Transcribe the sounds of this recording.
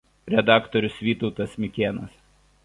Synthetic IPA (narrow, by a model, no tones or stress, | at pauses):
ɾʲɛd̪ɑːkt̪ɔɾʲʊsʋʲiːt̪ɒʊt̪ɐsmʲɪkʲeːnɐs